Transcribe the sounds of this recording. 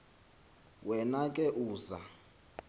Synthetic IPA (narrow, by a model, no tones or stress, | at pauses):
wɛnakʼɛʔuːza̰